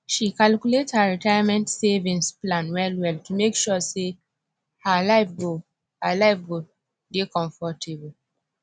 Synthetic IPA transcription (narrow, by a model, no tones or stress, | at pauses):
ʃikalkjulethaɹitajamɛ̃ntsevĩnsplãnwɛlwɛltumekʃuse | halaɪfɡo | halaɪfɡo | dekɔ̃ɱfɔtʰeb